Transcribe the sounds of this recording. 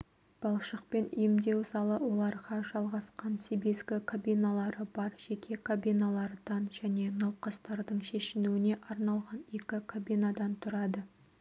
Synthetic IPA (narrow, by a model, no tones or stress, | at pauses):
b̥ɑlˠʃəq̚pe̞nḭjɪmd̪e̞wsɑlˠəwo̞lˠɑɾʁɑʒɑlˠʁɑsqɑnsebezɡʲɪkʰabʲijnalˠɑɾəbɑɾʒ̥ekʲʰe̞kʰabʲijnalˠɑɾd̪ɑnʒæne̞nɑwqɑst̪ɑɾd̪əɴʃe̞ʃɪnuɪne̞ʔɑɾnɑlˠʁɑne̞kʲɪkʰabinad̪ɑnt̪ʰʊɾɑd̪ə